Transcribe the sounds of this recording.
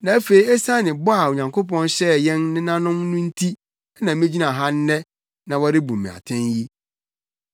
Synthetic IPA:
nã˨æ˦fe˨i˨˦ɛ˦sã˦nɪ̃˨bʊ˦a˨o˨ɲã˨ŋkʰo˦pɔ̃˦nɕɛ˦jɛ̃˦nnɪ̃˦nã˦nʊ̃˦mnʊ̃˦n̩˦tʰi˦ | ɛ˦nã˨mɪ̃˦d͡ʑi˦nã˨ɦã˦n˦nɛ˦ | nã˨wɔ˦ɾɪ˦bũ˨mĩ˨a̰˨tʰɛ̃˦nji˦

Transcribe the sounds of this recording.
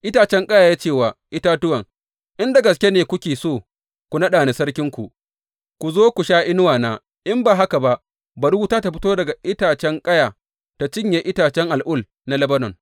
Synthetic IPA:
ʔɪ˦taː˨t͡ʃɛ˦ŋkʼɐ˦jaː˨jaː˦t͡ʃeː˦˨waː˨ʔɪ˦taː˦tʊ˦wɐ˨ŋ | ʔɪ˦nda˨ɡɐ˨s̬kʲe˦neː˨kʷʊ˦kʲeː˨soː˦˨ | kʷu˨nɐ˦ɗaː˨ne˨sɐ˦rkʲɪ˦ŋkʷu˨ | kʷu˨zoː˦kʷu˨ʃaː˦ʔɪ˦nʊ˦waː˨naː˦ | ʔɪ˦mbaː˨ɦa˦ka˨ba˦ | bɐ˨ɾu˦taː˦ta˨ɸɪ˦toː˦dɐ˨ɡa˨ʔɪ˦taː˨t͡ʃɛ˦ŋkʼɐ˦jaː˨ | ta˨t͡ʃɪ˦ɲje˨ʔɪ˦taː˨t͡ʃɛ˦ŋʔa˨lʔʊ˦˨l | na˦lɐ˦bɐ˦nɔ˨ŋ

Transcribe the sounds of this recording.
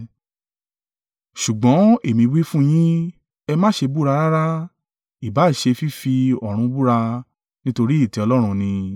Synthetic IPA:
ʃu˨ɡ͡bɔ̃˨˦e˨mĩ˧wi˦fũ˦j̃ĩ˦ | ɛ˧mãː˦ʃe˧bu˦ɾa˧ɾa˦ɾa˦ | i˨ba˨˦˨ʃe˧fi˦fi˧ɔ˨ɾ̃ũ˧bu˦ɾa˧ | nĩ˦to˧ɾi˦i˦˨tɛ˨˧ɔ˧lɔ˦ɾ̃ũ˧nĩ˧

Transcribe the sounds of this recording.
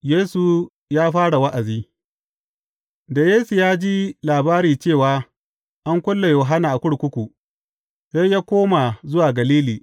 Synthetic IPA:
jeː˦su˨ | jaː˦ɸaː˦ɽa˨wɐ˦ʔa˨ziː˦ | da˨jeː˦su˨jaː˦d͡ʒi˦laː˨baː˦ɾiː˨t͡ʃeː˦˨waː˦ | ʔa˦ŋkʷʊ˦lːa˨joː˨ɦa˦na˨ʔa˨kʷʊ˦ɽkʷʊ˦kʷu˨ | sa˦jjaː˦kʷoː˦ma˨zʊ˦waː˨ɡɐ˨liː˦liː˨

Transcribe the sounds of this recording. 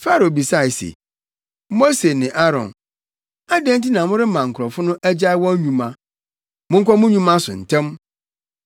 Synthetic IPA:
fa˦ɾo˨bi˨sa˦˨ɪ˨sḛ˨ | mo˦se˨nɪ̃˨ʔa˦ɾɔ̰̃˨n | a˦dɛ̃˦nti˦nã˨mʊ̃˦ɾɪ˦mã˨ŋ̩˨kʰʊ˨ɾɔ˨fʊ˦nʊ̃˦ʔæ˦d͡ʑa˦ɪ˦wɔ̃˦ɲũ˨mã˦ | mʊ̃˦ŋ̩˦kʷʰɔ˦mʊ̃˦ɲũ˦mã˦sʊ̰˨n̩˨tʰɛ̃˦m

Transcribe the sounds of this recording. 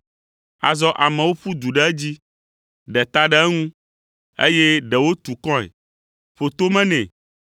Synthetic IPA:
a̰˨zɔ˦ʔa˨mɛ̃˨wo˦ɸu˦d̪u˨ɖɛ˦ɛ˦d͡ʑi˦ | ɖɛ˨t̪a˦ɖɛ˦ɛ˦ŋũ˦ | ḛ˦je˦ɖɛ˨wo˦t̪u˨kɔ̃˦ɛ̰˨ | ɸo˨t̪o˦mɛ̃˦nɛ̃˨

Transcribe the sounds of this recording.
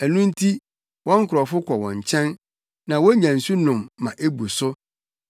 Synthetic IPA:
æ˨nũ˦n̩˦tʰi˦ | wʔɔ̃˦ŋ˦kʰʊ˨ɾɔ˨fʊ˦kʰɔ˨wɔ̰̃˨ɲ˨t͡ɕʰɛ̃˦nː | ã˨wɔ˦ɲã˨n̩˨su˦nʊ̃˨mːã˨ʔe˦bu˨sʊ˦

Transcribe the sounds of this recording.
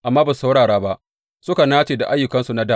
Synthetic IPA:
ʔa˨mːaː˦bḁ˨sa˦wɽaː˨ɽaː˦ba˦ʔ | sʊ˦ka˨naː˦t͡ʃeː˨da˨ʔa˦jːʊ˨kɐ˦nsu˨na˦daː˦˨

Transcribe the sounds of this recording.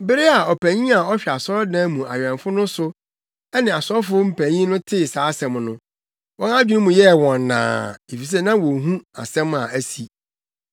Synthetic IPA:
bɪ˦ɾe˦a˨ɔ˨pʰæ˨ɲĩ˦a˨ɔ˦ɕᶣi˨a˨sɔ˦dã˦mũ˨a˨ɥᶣɛ̃˨nfʊ˦nʊ̃˦sʊ˦ | ɛ˦nɪ̃˨a˨sɔ˦fʊ˦m̩˦pʰæ˨ɲĩ˦nʊ̃˦tʰɪ˦˨saː˨˦sɛ̃˨mnʊ̃˦ | wɔ̃˦na˦d͡ʑᶣi˦nʊ̃˦mũ˨jɛ˦˨wɔ̃˨nːã̰ː˨e˨fi˨s̬e˦˨nã˦wɔ̃˨ɦũ˦a̰˨sɛ̃˦ma̰˨æ˦si˨

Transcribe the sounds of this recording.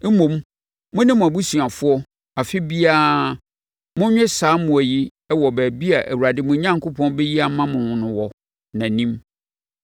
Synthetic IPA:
m̩˦mõ˨m | mʊ̃˦nɪ̃˦mʊ̃˨æ˨bu˦si˨a˨fʊ˦ɔ˦ | a˨fɪ˦bi˦aː˦ | mʊ̃˦ɲᶣɛ̃˦saː˨˦mʊ̃˨æ˨ji˦ | ɛ˦wɔ˨bæː˨bi˦a˨ʔæ˨wu˨a˨dɪ˦mʊ̃˨˦ɲã˦ŋ˨kʰʊ˦pʰɔ̃˦nbɛ˦ji˦a˨˦mã˦mʊ̃˨nʊ̃˨nʊ̃˨wɔ˨ | nã˨nĩ˦m

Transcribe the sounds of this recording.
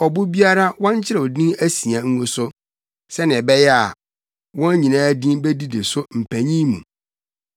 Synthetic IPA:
ɔ˨bʊ˦bi˦a˦ɾa˦wɔ̃˦ɲ˦t͡ɕʰɪ˦ɾɛ˨wɔ˨dĩ˦æ˦si˨a˨ŋ̩˦ŋʊ̃˦sʊ˦ | sɛ˦nɪ̃˨ɛ˨bɛ˦jɛ˦a˨ | wɔ̃˦n˦ɲĩ˨nãː˦dĩ˦be˦di˦de˨sʊ˦m̩˨pʰæ˨ɲĩ˦mṵ̃˨

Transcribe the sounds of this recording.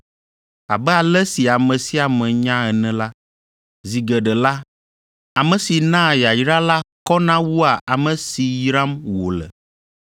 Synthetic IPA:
a̰˨bɛ˦a˨lɛ˦si˨a˨mɛ̃˨si˦a˨mɛ̃˨ɲã˦ɛ˨nɛ̃˦la˦ | zi˨ɡɛ˨ɖɛ˨la˦ | a˨mɛ̃˨si˨nã˦˨ja˨jɾa˦la˦kɔ˦nã˦wu˦a˨ʔa˨mɛ̃˨si˨jɾa˦mwo˨lɛ̰˨

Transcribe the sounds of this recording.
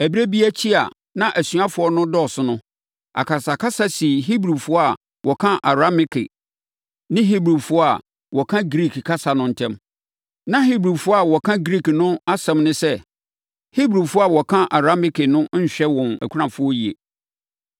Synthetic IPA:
æ˨bi˦ɾæ˦bi˦æ˦t͡ɕʰi˦a̰˨ | nã˦ʔæ˨sɥa˦fʊ˨˦ɔ˦nʊ̃˦dɔ˦˨sʊ˦nʊ̃˦ | a̰˨kʰa˨sa˨kʰa˦sa˨si˨ɦi˦bɾu˨fʊ˦ɔ˦a˨ | wɔ˨kʰã˦ʔa˨ɾa˦mɪ˦kʰɪ̰˨ | nɪ̃˦ɦi˦bɾu˨fʊ˦ɔ˦a˨ | wɔ˨kʰã˦ɡɾi˦˨kʰkʰa˦sa˨nʊ̃˦n̩˨tʰɛ̃˦m | nã˦ɦi˦bɾu˨fʊ˦ɔ˦a˨wɔ˨kʰã˦ɡɾi˦knʊ̃˦a˦sɛ̃˨mnʊ̃˦sɛ˦ | hi˦bɾu˨fʊ˦ɔ˦a˨wɔ˨kʰã˦ʔa˨ɾa˦mɪ˦kʰɪ˨nʊ̃˦ɲ̩˦ɕᶣɛ˦wɔ̃˨mæ̰˨kʰʷu˦ɾã˨fʊ˦ɔ˦ji˨ḛ˨

